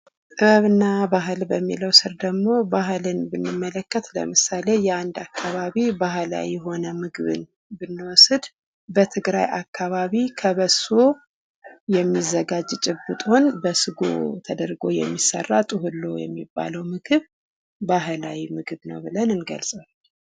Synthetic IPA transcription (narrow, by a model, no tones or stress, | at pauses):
t̪ʼɨβəβɨnːabaɦɨlbəmːiləwsɨɾd̪əɡmo̞baɦɨlɨnbɨnːɨmːələkːət̪lə̰mɨsale̞jɛand̪akʰːaβaβibaɦɨla̰wiɛɦo̞nəmɨɡɨβɨ̰n | bɨnːɨwɔsɨd̪ | bət̪ʰɨɡɾa̰jʔakʰːaβaβikʰəβəso̞ | jɛmːizːəɡad͡ʒt͡ʃʼɪbːɨt̪ʼo̞nbəsɨɡo̰t̪ʰəd̪əɾɡo̞jɛ̰mːisːə̰rːat̪ʼɨɦɨlːo̞̰jɛ̰mːibːa̰ləwmɨɡɨβ | baɦlawimɨɡɨβnə̰wbɨlənɨnɡə̰lsʼəwal